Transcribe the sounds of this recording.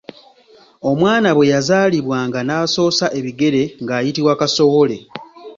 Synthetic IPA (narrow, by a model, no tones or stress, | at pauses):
o̞mwaːnaβwe̞jazaːliβwaːŋɡanaːso̞ːsaʔe̞βiɡe̞ɾe̞ŋɡaːjitiβwakaso̞wo̞le̞